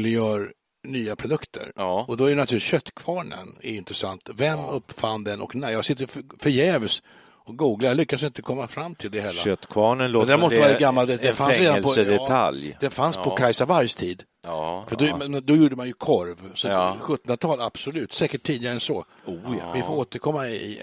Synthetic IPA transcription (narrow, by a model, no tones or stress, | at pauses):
lɪjœːɾ | nyːapʰɾʊd̪ɵkt̪ʰə̰ɾɔd̪ɔæjənat̪ʰʉlɪt̪ɕœt̪ːkʰvɑːɳə̰nɛɾɪnt̪ɾɛsant̪vɛnːɵpːfand̪ɛnʔɔ̰knæjɑːɡsɪt̪ːəfœɾjɛːvs | ɔk̚ɡuːɡlajlʏkːasɪnt̪əkʰɔmːafɾamːt̪ʰɪld̪ɛhɛlːaœt̪ːkʰvɑːɳənloːd̪æɾmɔst̪əvaɾɡamːald̪ɛd̪ɛfansɾeːd̪apʰɔd̪ɛtʰa̰ljd̪ɛnfanspʰɔkʰajsavaɾjst̪ʰiːd̪ | fœdɔmɛd̪ɔjuːɖəmanjɵkʰɔɾvsɔɧɵt̪ːənɾat̪ʰɑːlab̥sɔlʉ̟ːt̪sɛːkəʈʰːiːd̪ɪɡaɾəɛnsɔ | vɪfoɾoːt̪əɾkʰɔmːaɪɪ̰